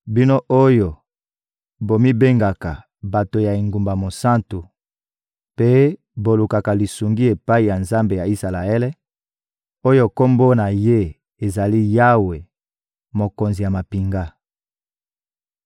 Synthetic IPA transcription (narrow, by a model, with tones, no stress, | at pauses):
bi˦no˦ʔo˦jo˨ | bo˨mi˦be˦ŋɡa˨ka˨ | ba˨to˨ja˨i˨ŋɡu˨mba˨mo˨sa˦ntu˨ | pe˦ | bo˨lu˨ka˨ka˨li˨su˨ŋɡi˦e˨pa˦i˨ja˨nza˦mbe˨ja˨i˦sa˨la˨e˦lɛ˦ | o˦jo˦ko˦mbo˦na˨je˦ | e˨za˨li˦ja˦we˨ | mo˨ko˨nzi˨ja˨ma˨pi˨ŋɡa˦